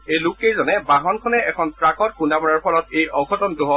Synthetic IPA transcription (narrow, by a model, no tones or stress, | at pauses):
ejlʊkejzɔnɛbaɦɔnkʰɔnɛɛkʰɔnpɹakɔt̚kʰundamɔɹaɹpʰɔlɔt̚ejɔɡʰɔtɔntʊɦɔ